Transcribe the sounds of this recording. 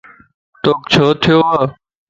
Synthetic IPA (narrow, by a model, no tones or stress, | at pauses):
t̪oːkt͡ʃʰoːt̪ʰɪjoːaː